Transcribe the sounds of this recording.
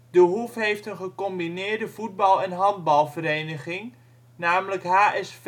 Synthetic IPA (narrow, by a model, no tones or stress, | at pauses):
dəɦufɦejftənχəkɔmbinɪːɹdəvud̚bɑlˠɛnɦɑnd̚bɑlˠvəɾeːnəχɪŋ | naːmələkɦaːʔɛsf